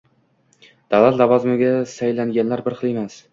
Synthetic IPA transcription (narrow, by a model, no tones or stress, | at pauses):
d̪̥alˠat̪lavɒzɪmɪɡʲasajlaŋɡʲanlaɾbɪɾqʰɨlˠemas